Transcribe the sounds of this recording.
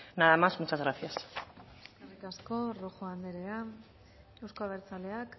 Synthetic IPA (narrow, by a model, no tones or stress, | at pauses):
naðamazmut͡ʃazɣɾaθjaseeskerikasko̞roxoand̪eɾea | e̞wsko̞aβeɾt͡sale̞ak